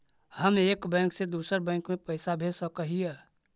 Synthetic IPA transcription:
həmeːkbɛ̃ːŋksed̪uːsəɾbɛ̃ːŋkmẽpəɪsabʱeːsəkəɦiɛ

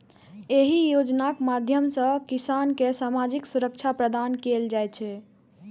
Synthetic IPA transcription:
eɦijod͡ʒnakmad̪ʱjəmsə̃kisankesamad͡ʒiksuɾək̚t͡ʃʰapɾəd̪ankeld͡ʒajt͡ʃʰɛ

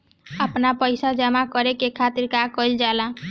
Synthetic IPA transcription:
əpnapəjsad͡ʒəmakəɾekekʰat̪iɾkakəjld͡ʒalã

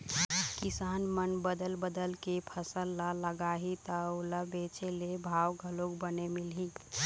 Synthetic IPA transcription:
kisaːnmənbəd̪əlbəd̪əlkepʰəsəlːaləɡaɦit̪əuləbet͡ʃelebʱawɡʱəloɡbənemilɦi

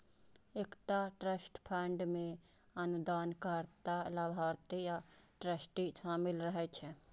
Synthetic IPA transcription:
ekʈaʈɾəsʈpʰɛɳɖmẽ | ənud̪aːnkəɾt̪alabʱaɾt̪ijaʈɾəsʈiʃaːmilɾəɦɛt͡ʃʰɛ

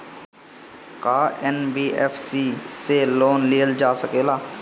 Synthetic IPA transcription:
kaːɛːnbiːɛːpʰsiːseloːnliːəld͡ʒaːsəkeːlaː

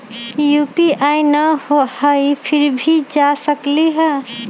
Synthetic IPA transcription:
jupiʔajnəhohəjpʰiɾbʱid͡ʒasəkliɦə

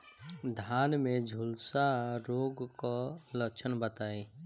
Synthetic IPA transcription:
d̪ʱanmed͡ʒʱulsaɾoɡkɔləkt͡ʃʰənbət̪ai

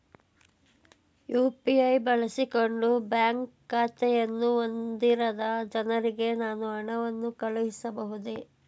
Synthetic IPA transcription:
juːpiɐjbɐɭɐsiko̞ɳɖubjaːŋkːaːt̪ɛjɐnːuond̪iɾɐd̪ɐd͡ʒɐnɐɾiɡe̞naːnuɐɳɐʋɐnːukɐɭuʋisɐbɐɦud̪e

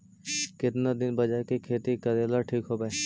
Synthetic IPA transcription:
kɪt̪nad̪ɪnbɐd͡ʒaɦkekʰeːt̪ikɐɾeːlaʈʰiːkɦoːbae

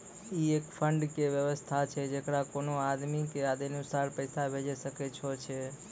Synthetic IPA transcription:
iekfʰəɳɖkeʋjəʋəst̪ʰat͡ʃʰed͡ʒekɽakonoad̪mikead̪inusaɾpəjsabʱed͡ʒeʃəket͡ʃʰot͡ʃʰe

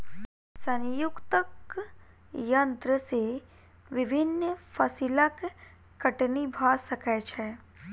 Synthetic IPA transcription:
sənjʊkt̪ək | jɐnt̪ɾəse | ʋɪbʱɪnːəfʰɐsilakː | ɐʈnibʱaːsɐkɛt͡ʃʰɛ

